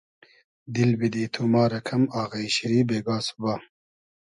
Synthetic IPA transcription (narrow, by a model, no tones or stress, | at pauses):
d̪ilbid̪iːt̪ʰumɑːɾɐkʰɐmaːɣɐiɕiɾiːbeːɡaːsu̥baː